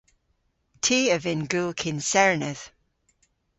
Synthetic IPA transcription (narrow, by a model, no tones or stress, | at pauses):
tʰiːəvɪnɡʉlkʰɪ̃nsɛɹənəð̥